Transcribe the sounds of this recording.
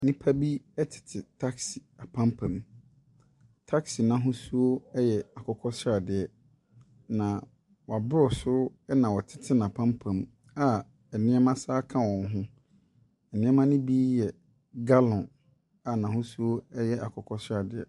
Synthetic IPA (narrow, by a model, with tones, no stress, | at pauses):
nĩ˦pʰa˦bi˦ɛ˦tʰɪ̥˨tʰɪ˨tʰa˦ksi˨a˨pʰã˦mpʰã˨m | tʰa˦ksi˨nã˦ɦʊ̃˦su˦o˦ɛ˦jɛ˨a˨kʰɔ˨˦kʰɔ˦sɾa˨dɪ˨ɛ˨ | nã˨ | wɔ˨a˨bʊ˦ɾɔ˨sʊ˦ɛ˦nã˨wɔ˨tʰɪ̥˦tʰɪ˦nã˨pʰã˦mpʰã˨m | a˨ | ɛ˨nɪ̃˦ɛ˦mã˦saː˦kʰã˦wɔ̃˨n˦ɦʊ̃˦ | ɛ˨nɪ̃˦ɛ˦mã˦nʊ̃˦bi˦jɛ˨ | ɡa˦lɔ̃˨n | a˨nã˨ɦʊ̃˦su˦o˦ɛ˦jɛ˦ʔa˨kʰɔ˨kʰɔ˦sa˨dɪ˨ɛ̰˨